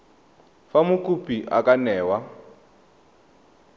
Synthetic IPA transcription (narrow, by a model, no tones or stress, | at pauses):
famukʼupʼiʔa̰kʼanɛːwa